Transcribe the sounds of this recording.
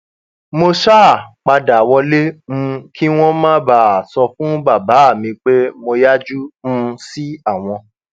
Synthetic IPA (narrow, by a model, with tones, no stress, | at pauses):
mo˧ʃa˦˨k͡pa˧da˨wɔ˧le˦m̩̃˦kʰi˦w̃ɔ̃˦mãː˦ba˦˨a˨sɔ˧fũ˦ba˦˨ba˨˦˨mĩ˧k͡pe˦mo˧ja˦d͡ʒũ˦si˦a˦˨w̃ɔ̃˧